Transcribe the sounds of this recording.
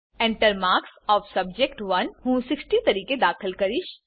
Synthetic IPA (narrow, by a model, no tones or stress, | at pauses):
ẽɳʈəɾmaːɾksɔːʋsɐb̚d͡ʒekʈʋɐnhũːsɪksʈit̪ɐɾiːked̪aːkʰəlkɐɾiʃ